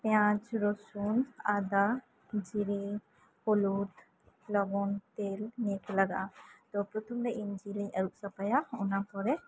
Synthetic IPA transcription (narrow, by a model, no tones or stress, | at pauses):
p̪jãd͡ʒɾɔsunad̪a | d͡ʒiɾi | hɔlut̪ | lɔɡɔnt̪elneklaɡa̰t̪ɔpɾɔt̪ʰɔmɾɛʔind͡ʒiliɲʔəɾuʔsapajaɔnapɔɾɛ